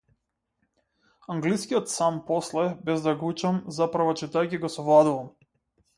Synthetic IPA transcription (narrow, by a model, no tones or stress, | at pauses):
aŋɡliskiɔt̪sampɔslɛbɛzd̪aɡut͡ʃamzapɾavɔt͡ʃit̪ajkʲiɡɔsɔvlˠad̪uvam